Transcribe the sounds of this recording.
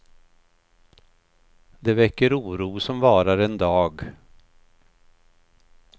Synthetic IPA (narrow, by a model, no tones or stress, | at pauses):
d̪ɛvɛkːəɾuːɾuːsɔmvɑːɾaɾɛnd̪ɑːɡ